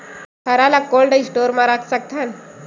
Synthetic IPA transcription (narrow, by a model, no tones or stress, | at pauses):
tʰəɾalakolɖəsʈoɾmãɾakʰsək̚t̪ʰan